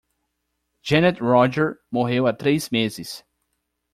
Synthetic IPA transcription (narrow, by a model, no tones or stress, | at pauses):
d͡ʒẽnɛt̪ɹɔd͡ʒɛɾmoɦewat̪ɾejzmezɪs